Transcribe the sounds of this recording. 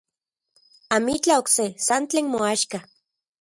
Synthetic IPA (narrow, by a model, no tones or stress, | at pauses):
amit͡ɬaoksesant͡ɬeːnmoaʃka